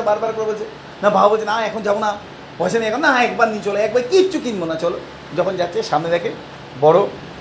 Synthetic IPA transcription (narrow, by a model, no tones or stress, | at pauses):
abaɾbaɾkɔɾebolt͡ɕʰe | nabʱabbolt͡ɕʰenaɛkʰond͡ʑabona | pɔet͡ɕʰeniɛkʰonːaɦãɛkbaɾnit͡ɕɔloɛk̚bajkitːt͡ɕʰukinmonat͡ɕɔlo | d͡ʑɔkʰond͡ʑatːʰeʃamned̪ɛkʰe | bɔɽo